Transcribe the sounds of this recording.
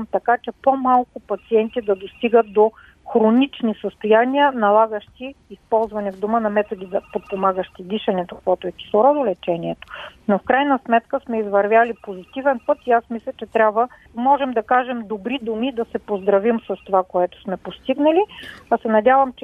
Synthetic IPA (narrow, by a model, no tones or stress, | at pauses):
mt̪ɐkat͡ʃɛpomalˠkʊpɐt̪siɛnt̪id̪ɐd̪ost̪iɡət̪̚d̪o | xɾonit͡ʃnisəst̪ojaniənɐlˠaɡəʃt̪iːspɔlˠzvɐnɛvd̪omənɐmɛt̪od̪izɐpot̪̚pomaɡəʃt̪id̪iʃɐnɛt̪okvɔt̪oɛkʲi̥slˠoɾɔd̪olɛt͡ʃɛniɛt̪o̥nofkɾajnɐsmɛt̪kəsmɛizvɐɾvʲjalipozit̪ivɛnpɤt̪iasmislʲɐt͡ʃɛt̪ɾʲabvə | mɔʒɛmd̪ɐkaʒɛmd̪obɾid̪umid̪ɐsɛpozd̪ɾɐvimsɐst̪ovakoɛt̪o̥smɛpost̪iɡnəliɐsɛnɐdʲjavɐmt͡ʃɛ